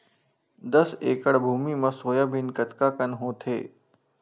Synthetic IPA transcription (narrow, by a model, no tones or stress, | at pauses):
d̪əseːkəɽbʱuːmimãsoːjaːbʱɪnkət̪kaːkənɦõːt̪ʰḛː